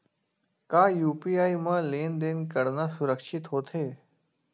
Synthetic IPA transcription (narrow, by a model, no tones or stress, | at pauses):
kaːjuːpiːaːimãːleːnd̪eːnkəɾnasʊɾəkʃɪt̪ɦoːt̪ʰɦeː